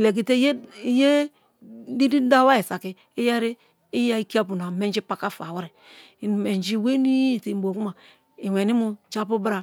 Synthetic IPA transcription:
le˨k̬i˨te˦jje˦ | di˦di˦da˦wa˦i˨sa˨kɪ˨˦ | i˦ja˦ɾeː˦ | ja˦i˦ki˦a˦p̬u˨na˨me˦n˦d͡ʒi˦pa˨ka˦fa˨wa˦ɾɛ˨ | me˨nd͡ʒi˦we˦ni˦˨ti˨bo˨ku˦ma˨ | i˨wɛ˨ni˦mu˦t͡ʃa˦pu˦bɾa˨

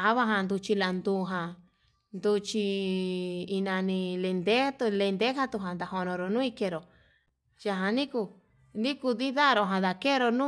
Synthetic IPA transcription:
a˨˦βa˧ɦa˧nd̪u˧t͡ʃi˧la˧nd̪u˧ɦã˧ | nd̪u˧t͡ʃi˧ | i˧nã˧nĩ˧le˧nd̪e˦t̪u˧le˧nd̪e˦ɦa˧t̪u˧ɦã˨nd̪a˨ho˧nõ˧ɾo˧˨nũ˦i˧ke˧ɾo˨ | ja˧ɦã˧nĩ˦ku˧ | nĩ˦ku˧ði˦ða˦˧ɾo˧˨ɦã˧ða˨ke˦˧ɾo˧nũ˦

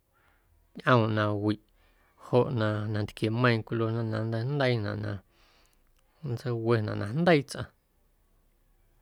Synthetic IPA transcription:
ɲʔə̃˧w̃nã˧wi˨ʔ | ho˧˨ʔnã˧nã˧nt̪kje˨mə̃˧j̃kʷlo˧nã˧nã˧˨nd̪ə˧nd̪ə˦i˦nã̰˨ʔnã̰˧˨ | nd͡zə˧˦we˧nã˨ʔnʔã˧nd̪ə˦i˦t͡sʔã̰˧

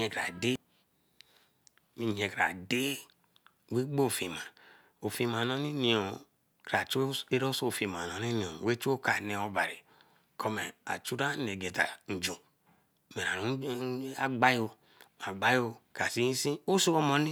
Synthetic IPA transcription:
ɲe˨kɾa̰˨de˦ | mi˨ɲe˨ka̰˨de˦˨ | we˦ɡ͡bo˦˨fi˨ma˨ | o˨fi˦ma˨no˦ni˦ni˨o˨ | kɾa˨t͡ʃe˦ɾo˦so˦˨fi˨ma˨no˨ni˦ni˨o˨we˦t͡ʃo˦ka˨ne˨o˨ba˨ɾi˨ | kʰo˦me˨a̰˨t͡ʃu˦ɾa˦ne˨ɡe˨ta̰˨n̩˨d͡ʒo˨ | me˨ɾa˨nu˦a˦ɡ͡ba˦jo˨ | a˨ɡ͡ba˦jo˨ka˨si˦si˦o˦so˦o˦mo˨ni˦

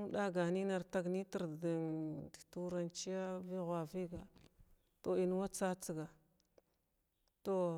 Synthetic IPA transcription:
ŋ˦ɗa˦ɡa˨ni˦na˨ɾta˨ɡni˦ti˨ɾdi˨ndi̥˨tu˦ɾa˦nt͡ʃi˦ja˦vi˦ɣʷa˨vi˦ɡa˨ | to˨i˨n˦wa˦t͡sa˦t͡si˨ɡa˨ | to˦˨

